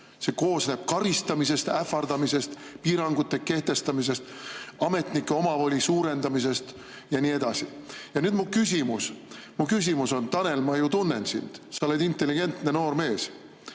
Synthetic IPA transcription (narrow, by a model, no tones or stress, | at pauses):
se̞ko̞ːsneːb̥̚kɑɾist̪ɑmis̬e̞st̪æfɑrd̪̥ɑmise̞st̪piːɾɑŋɡ̥ut̪ːe̞ke̞ht̪e̞st̪ɑmis̬e̞st̪ɑme̞t̪ˑnikːˑe̞o̞mɑvolʲisuːɾe̞nd̪ɑmise̞st̪ | jɑnʲiːe̞d̪̥ɑsijɑnyːd̪̥mukysʲimusmukys̬ʲimuso̞nt̪ɑne̞lmɑjut̪unːe̞̰nsḭnd̪̥sɑole̞d̪int̪ˑːe̞liɡe̞nt̪ne̞no̞ːrme̞ːs